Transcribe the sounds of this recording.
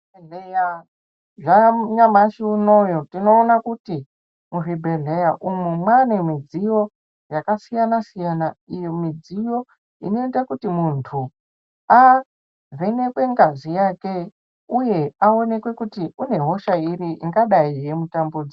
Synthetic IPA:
eeja | ʐaɲamaʃiuno̞jotino̞ːnakuti | muribʱeɮejaʔumemwanemid͡zijo̞ | jakasijanasijanaijomid͡zijo̞ | ḭno̞etakutimuntʰu | a | vene̞kwe̞ŋɡazijake̞ | uje̞ao̞ne̞kwe̞kutiune̞ɦo̞ʃairiʔḭŋɡaɗaijemutambud͡zi

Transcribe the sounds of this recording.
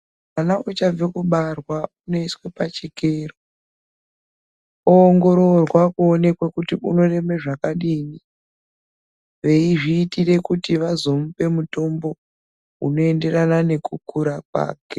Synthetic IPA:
manaut͡ʃab͡vekuɓarwauno̞iswepat͡ʃikeːro | oːŋɡo̞ɾo̞rwakuone̞kwekutiuno̞re̞me̞ʐakaɗiːni | ʋe̞iʐiːtire̞kutiʋazo̞mupe̞muto̞mbo̞ | ṵno̞e̞nde̞ranane̞kukuɾakwa̰ːke

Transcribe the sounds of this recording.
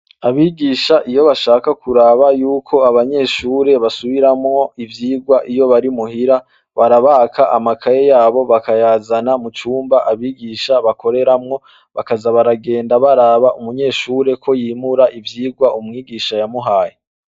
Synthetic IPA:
aβiːɡiːʃaʔijo̞βaʃaːkakʰuɾaβajuːkʰo̞aβaɲe̞ːʃuːɾe̞βasuβiɾamŋo̞ivjiːɡwaʔijo̞βaɾimuhiɾa | βaɾaβaːkʰaʔamakʰaje̞jaːβo̞βakajaːzanamut͡ʃuːmbaʔaβiːɡiːʃaβakʰo̞ɾe̞ɾamŋo̞ | βakazaβaɾaɡe̞ːndaβaɾaːβaʔumuɲe̞ːʃuːɾe̞kʰo̞jiːmuɾaʔivjiːɡwaʔumŋiːɡiːʃajamuɦaːje

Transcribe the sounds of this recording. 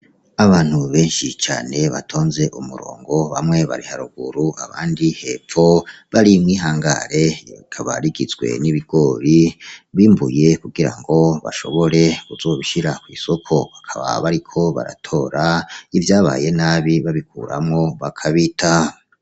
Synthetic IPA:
aβaːn̥huβe̞ːnʃit͡ʃa̰ːne̞βa̰tʰo̞ːnze̞ʔumuɾo̰ːŋɡo̞βa̰mŋe̞βa̰ɾihaɾuɡ̥uɾuʔaβaːndihe̞fo̞βaɾimŋiːɦaːŋɡa̰ɾe̞kʰaβaɾiɡizɡwe̞̰niβiɡ̥o̞ːɾiβiːmbṵje̞kuɡiɾa̰ŋɡo̞βa̰ʃo̞̰βo̞ɾe̞kuzo̞ːβiʃiɾakwiːso̞kʰo̞βakʰaβa̰βaɾikʰo̞βa̰ɾa̰tʰo̞ɾaivjaːβa̰je̞naβiβaβikṵːɾa̰mŋo̞βakʰaβitʰa

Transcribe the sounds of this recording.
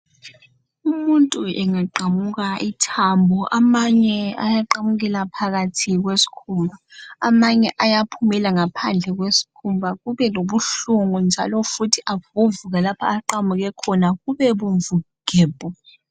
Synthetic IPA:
umuntʼuɛŋaǃamuɣaʔitʰambʱɔʔamaɲɛa̰jaǃamuɣ̬ɛlapʰaɣatʰiɣ̬wesi̥kʰumaamaɲɛʔajapʰumɛlaŋapʰand͡ɮʱɛɣwesi̥kʰumbʱaɣuβɛloβuɬuŋund͡ʒʱa̰lɔfutʰiʔaβuɱvuɣalapʰa̰ːǃamuɣɛkʰɔnaɣuβɛβuɱvu | ɡ̥ʱɛːb̥ʱʼɔ

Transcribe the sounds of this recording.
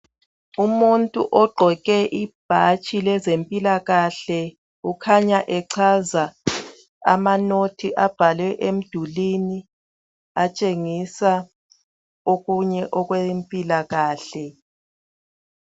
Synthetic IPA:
umuntʼṵʔɔɡ͡ǃʱɔɣɛʔib̥ʱat͡ʃʼilɛzempʼilaɣaɬɛ | ukʰaɲaʔɛǀʰaza | a̰manotʰiʔab̥ʱalwɛʔem̩d̥ʱulini | at͡ʃʼeŋisa | oɣuɲɛʔɔɣwempʼilaɣaːɬɛ

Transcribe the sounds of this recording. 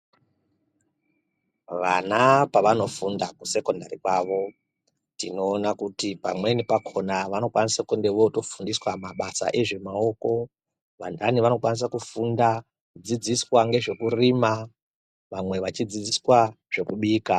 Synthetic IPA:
ʋanapaʋano̞fundaku̥se̞ko̞nda̰ɾikwaːʋo̞ | tino̞ːnakutipamwe̞nipakʰo̞naʋano̞kwanisakendeʋo̞to̞fundiswamaɓasa̰ʔe̞ʐe̞mao̞ko̞ | ʋandaniʋanokwanis̬akufunda | d͡zid͡ziswaŋɡe̞ʐe̞kuriːma | ʋamwe̞ʋat͡ʃid͡zid͡ziswa | ʐ̥e̞kuɓiːka

